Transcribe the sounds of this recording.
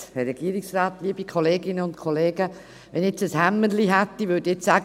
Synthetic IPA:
hɛɾɛɡ̥iəɾiksraːt̪liəb̥ikʰɔleːɡɪnːəʊntkʰoleːɡə | ʋɛnet͡səshæmːənliɦɛt̪ːivʏdiet͡ssæɡ

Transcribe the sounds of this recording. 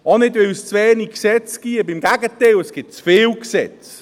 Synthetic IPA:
ɑnɪdʋɪwst͡sʋɛːniksɛt͡sɡ̥iəbɪmɡæɡət̪ɛɪləsɡ̥ɪt̚t͡sfɪːlksɛt͡s

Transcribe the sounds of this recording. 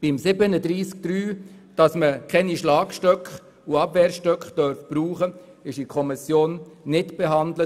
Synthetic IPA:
b̥ɪmsɪbənədɾiːsk̚d̥̪ɾyː | d̥ɑsməkʰɛniʃlɑːkʃtœkχ | uɑbvɛːɾʃtœkχd̥œɾfb̥ɾuːχə | ɪʃikʰɔmɪsjoːnːɪtb̥eɦɑndlə

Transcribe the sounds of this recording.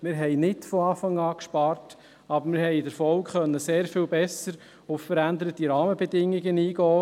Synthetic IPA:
mɪːɾɦɛɪnɪtfɔɑːfɑŋɑːkʃpɑːrt | ɑbəɾmɪɾɦɛɪdəɾfɔlkχœnːəseːɾfiːlbɛsəɾ | ʊffəɾænd̪əɾətiɾɑːməbɛd̪ɪŋːiɡəniːɡɔː

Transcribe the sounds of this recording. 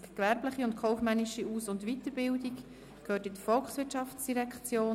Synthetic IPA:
kʋɛɾbləχiʊntkʰɔʊfmɛnɪʃiuːsʊndʋit̪əɾbɪldik | kʰhøːtɪdəfɔlksʋɪtʃɑfsd̥iɾɛkt͡sjoː

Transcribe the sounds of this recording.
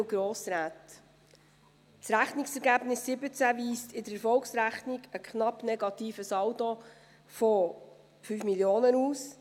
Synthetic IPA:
ɡ̥ɾoːsɾæːt | sɾæχnɪksɛɾɡæbnɪsːɪbət͡sæviːstɪdəɾɛɾfɔlksɾæχnɪɡ̥əkχnɑpnɛɡɑt̪iːfəsɑwto | fɔ | fyːfmiljoːnənuːs

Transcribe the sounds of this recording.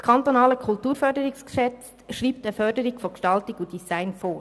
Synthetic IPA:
kʰɑnt̪ɔnɑːləkʰultuːɾfœɾdəɾɪkskʃɛt͡stʃʁiːptəfœɾdəɾɪɡ̥fɔkʃtɑltɪkudisaɪnfoːɾ

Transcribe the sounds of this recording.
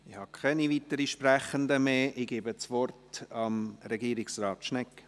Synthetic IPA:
ɪhɑkʰɛnivit̪əɾiʃpræχənd̪əmeːʔɪɡeːbət͡sʋɔrtɑmɾɛɡiːɾɪksrɑːt̪ʃnɛkː

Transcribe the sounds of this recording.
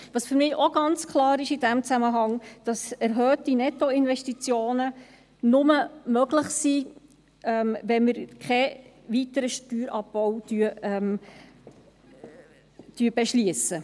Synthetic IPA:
ʋɑːsfʏɾmɪːoɡ̥ɑnt͡skʰlɑːɾɪʃɪd̥æmt͡sæməɦɑŋd̥ɑsɛɾɦœːtinɛtoɪnvɛʃtit͡sjoːnə | nʊməmøɡlɪχsi | ɛmvɛnmɪɾkχɛ | vitəɾəʃtyːɾʔɑbbɔwtyːɛm | tyːb̥ɛʃliəsə

